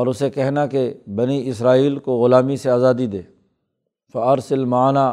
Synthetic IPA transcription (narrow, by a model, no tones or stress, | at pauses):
ɔːɾʊsekɛɦnakebɐniɪsɾaːiːlkoɣʊlaːmiseaːzaːd̪id̪eː | fɐɐɾsɐlmaːnaː